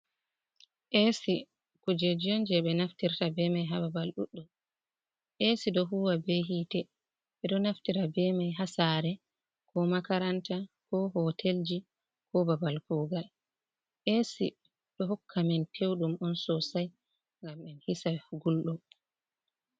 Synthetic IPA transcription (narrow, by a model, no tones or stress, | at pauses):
ʔesi | kud͡ʒed͡ʒiɔnd͡ʒɛɓɛnaftiɾtabɛmajɦababalɗuɗːɔ | ʔesiɗɔɦuːwabeɦiːtɛ | ɓɛɗɔnaftiɾabɛmajɦasaɾɛ | kɔmakaɾantakɔɦɔtʰeld͡ʒi | kɔbabalkuːɡal | ʔesi | ɗɔɦɔkʰːamɛntʰewɗumɔnsɔsaj | ŋɡamɛnhisaɡulɗɔ